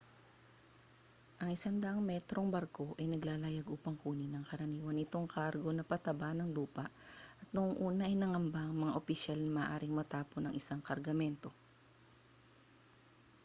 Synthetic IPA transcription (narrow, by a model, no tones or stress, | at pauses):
ʔɐŋʔɪsaŋd̪ɐʔɐŋmɛt̪ɾo̞ŋbɐɾko̞ʔɐjnɐɡlaːlajaɡʔuːpɐŋkuːnɪnɐŋkɐɾɐniːwɐnɪt̪o̞ŋkaɾɡo̞nɐpɐt̪ɐbanɐŋluːpɐʔʔɐt̪̚noʔoŋʔuːnɐʔɐjnɐŋɐmbaʔɐŋmɐŋaʔopɪʃalnɐmɐːʔaːɾɪŋmɐt̪aːponɐŋʔɪsaŋkɐɾɡɐmɛnt̪o̞